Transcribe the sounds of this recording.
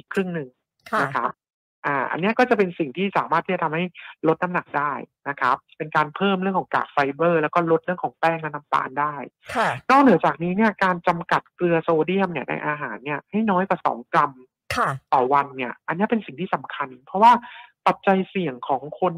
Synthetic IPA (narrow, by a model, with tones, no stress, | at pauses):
ʔiː˨˩kʰɾɯ˥˩ŋnɯ˨˧ŋ | kʰna˦kʰa˦˥p̚ | ʔaː˨˩ʔa̰˧nːi˦˥ɐkɔː˥˩t͡ɕa˨˩pe˧nsi˨˩ŋt̪ʰiː˥˩saː˩˦maː˥˩iː˥˩t͡ɕa˨˩˧mha˥˩jlo˦˥t̪̚na˦˥mna˨˩k̚daː˥˩jna˦˥kʰa˦˥p̚pe˧nkaː˧npʰɤː˥˩mɾɯ˥˩əŋkʰɔ˩˦ŋka̰ː˨˩k̚fa˧jbɤː˥˩lɛː˦˥wkɔː˥˩lo˦˥t̪̚ɾɯ˥˩əŋkʰɔː˩˦ŋpɛː˥˩ŋna˦˥na˦˥mp̪a̰ː˧ndaː˥˩jʰnɔː˥˩k̚nɯ˩˦ɐt͡ɕaː˨˩k̚niː˦˥ni˥˩ɐkaː˧nt͡ɕa˧mka˨˩t̪̚klɯ˧ɐsoː˧di˥˩əmni˥˩ɐna̰˧jʔaː˧ɦaː˩˦nːi˥˩ɐha˥˩jnɔː˦˥jkwaː˨˩sɔ̰ː˩˦ŋkla˧m | kʰa˩t̪ɔː˨˩wa˧nːi˥˩ɐʔa˧nːi˦˥ɐ˩pe˧nsi˨˩ŋt̪ʰiː˥˩sa˨˩˦mkʰa˧npʰɾɔ˦˥waː˥˩pa˨˩t̪̚t͡ɕa˧jsi˨˩əŋkʰɔː˩˦ŋkʰo˧n